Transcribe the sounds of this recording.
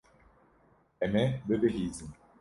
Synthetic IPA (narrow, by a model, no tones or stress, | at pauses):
ɛmɛbebeɦizi